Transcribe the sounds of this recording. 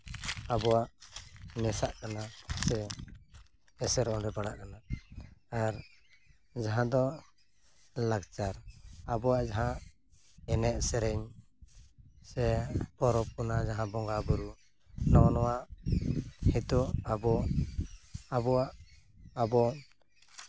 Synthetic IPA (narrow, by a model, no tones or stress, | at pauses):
abɔwaʔnɛsaʔkanasɛ | sɛɾɔ̃ɖɛbaɽaʔkanaː | ɾ | d͡ʒaɦãd̪ɔ | lakt͡ʃaɾabɔwaʔd͡ʒaɦã | ɛnɛʔ̪sɛɾɛɲ | sɛpɔɾɔp̚kɔnad͡ʒaɦãbɔŋɡabuɾu | nɔnɔwaʔ | hit̪uabɔ | abɔwaʔ | abɔ